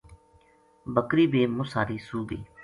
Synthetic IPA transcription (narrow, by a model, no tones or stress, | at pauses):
bəkɾiːbeːmʊsaːɾiːsuːɡḭː